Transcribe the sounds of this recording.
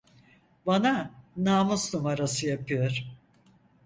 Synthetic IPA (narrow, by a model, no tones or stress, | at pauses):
bananaːmusnumaɾasɯjapɯjoɾ̥